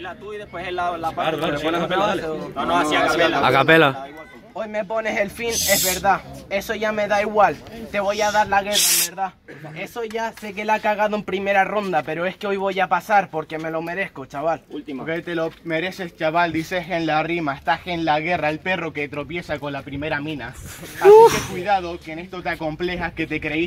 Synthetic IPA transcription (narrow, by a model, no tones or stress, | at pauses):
lat̪uiðehpweselalapaaɾoeonekaelaoonoasiakapelaa̰kapela | o̞jme̞po̞ne̞se̞lfine̞zβe̞ɾðae̞so̞ʝame̞ðaiɣwalt̪e̞β̞ojaðaɾlaɣe̞raβeɾða | e̞soʝase̞k̬e̞lakaɣaðoe̞mpɾime̞ɾaro̞nd̪ape̞ɾo̞e̞skeo̞jβo̞japasaɾpo̞ɾke̞me̞lo̞me̞ɾe̞sko̞t͡ʃaβallt̪iβet̪elome̞ɾe̞se̞st͡ʃaβald̪iseɦenlarimaest̪axenlaɣe̞raelpero̞ket̪ɾo̞pje̞sako̞nlapɾime̞ɾamĩnaaskekwiðaðo̞kenest̪o̞t̪ako̞mple̞xake̞t̪e̞kɾe̞i